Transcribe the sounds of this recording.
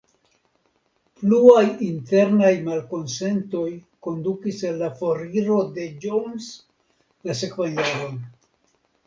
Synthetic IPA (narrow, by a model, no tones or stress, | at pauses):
pluajinte̞ɾnajmalko̞nse̞nto̞jko̞ndukisenːafo̞ɾiɾo̞de̞d͡ʒons | lase̞kvanjaɾo̞n